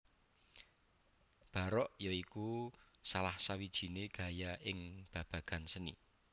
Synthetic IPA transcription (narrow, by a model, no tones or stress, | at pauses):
b̥a̤ɾɔʔjɔikusalahsawid̥ʒ̥i̤neɡ̥a̤jaʔɪŋb̥a̤b̥ä̤ɡ̥a̤nsənḭ